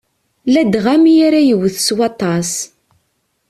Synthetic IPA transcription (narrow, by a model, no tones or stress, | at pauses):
læd̪ʁæmijaɾæjəwəθswɑt̪ˤɑs